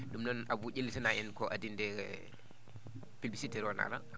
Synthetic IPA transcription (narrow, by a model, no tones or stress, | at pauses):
ɗumnɔnʔabuɟelːitanaʔɛnkɔʔadindɛ | pilbisitɛɾɔna̰la̰